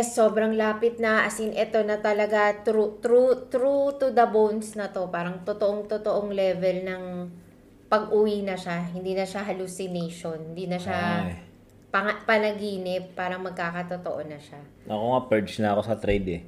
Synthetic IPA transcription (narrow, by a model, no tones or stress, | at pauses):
ɛsːo̞ːbɾɐŋlaːpɪt̪̚nɐʔɐsɪnʔɛt̪o̞nɐt̪ɐlɐɡat̪ɾut̪ɾut̪ɾut̪ud̪ɐbownsnɐt̪o̞paːɾɐŋt̪ot̪oʔoŋt̪ot̪oʔoŋlɛvɛlnɐŋ | pɐɡʔʊwinɐʃaɦɪnd̪iːnɐʃaɦɐlusɪnejʃo̞nhɪnd̪iːnɐʃa | pɐŋpɐnɐɡiːnɪp̚ːaːɾɐŋmɐɡ̚kaːkɐt̪ot̪o̰ʔo̞nɐʃa | ɐkoŋɐpɛɹt͡ʃnɐɐko̞sɐt̪ɾɛjd̪ɛ